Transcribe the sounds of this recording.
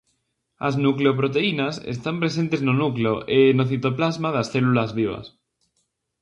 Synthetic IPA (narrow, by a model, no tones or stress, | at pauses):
aznukleopɾot̪e̞inasḛst̪ampɾe̞s̬e̞nt̪e̞znonukleoʔenoθit̪o̞plazmaðasθelulazβiβ̞a̰s